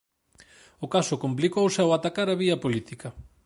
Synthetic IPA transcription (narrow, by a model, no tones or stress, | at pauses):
ʊkasʊkomp̬likowsawat̪akaɾaβiɐpolit̪ikɐ